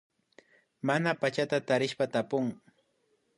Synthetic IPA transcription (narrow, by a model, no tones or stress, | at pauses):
manapat͡ʃat̪at̪aɾɪʃpat̪apʊŋ